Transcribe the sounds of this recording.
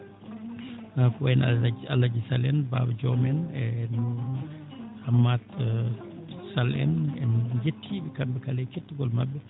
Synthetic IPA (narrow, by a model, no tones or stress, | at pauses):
kɔɛnaa̰lːad͡ʒisalɛnba̰bd͡ʒɔmɛnɛnu | hamːat̪ | salɛ̰nɛnd͡ʒetʰːiɓɛkambɛkalɛketːuɡɔlmabːɛ